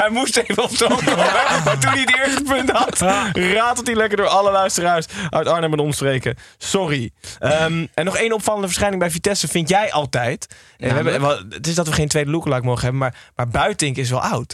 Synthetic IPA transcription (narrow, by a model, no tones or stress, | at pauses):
ɦɛjmustejvənɔpsotoɛmatuniətɪɹstəpɵntɦɑtraːtɔtilɛkəɹdʊːɹɑləlœɥstəraːɹsʔœ̰ɥtɑɹnəmənɔmsprejkəsɔriəmɛnɔχejnɔpfɑlˠəndəvəɹsχɛjnɪŋbɛjfitɛsəfɪntjɛjʔɑlˠtɛjt | ɛʋəɛbətɪszdɑtʋəχejntʋejdəlukəlɑjkmowχəɦɛbəmaːɹmaːɹbœɥtɪŋkɪs̬ʋɛ̰lˠʔɑwt